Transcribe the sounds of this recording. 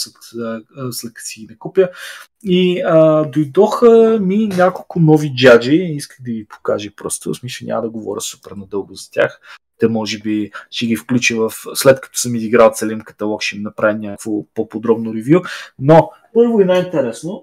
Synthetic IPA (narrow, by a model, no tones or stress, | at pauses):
sɛ | slɛt̪̚kɐ̥siɡinɐkupʲjə | iəd̪ojd̪ɔxəminʲakolˠkʊnɔvid͡ʒad͡ʒiiskəɣd̪ɐvipo̥ka̰ʒipɾɔ̰st̪smisəɲʲʔa̰mɐd̪ɐɡovɔ̰ɾʲəsu̥pɛɾnɐd̪ɤlˠɡʊzɐt̪ʲa̰x | t̪ɛmɔʒɛbiʃɛɡifklʲut͡ʃivɐfslɛt̪kɐ̥t̪ɔ̥səmiziɡɾalˠt̪sɛlʲinkɐ̥t̪ɐlˠɔkʃɛminɐpɾavʲinʲakvopopod̪ɾɔbnʊɾɛvjuno | pɤɾvoɛnaint̪ɛɾɛsno